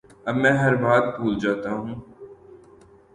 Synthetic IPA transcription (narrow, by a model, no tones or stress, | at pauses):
ɐbmɛ̃ːɦɐɾbaːd̪buːld͡ʒaːt̪aɦũː